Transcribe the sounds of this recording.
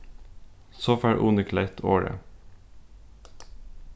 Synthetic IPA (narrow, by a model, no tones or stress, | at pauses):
soːfæɹʔuːnəkʰlæɪt̪ʰoːɹə̰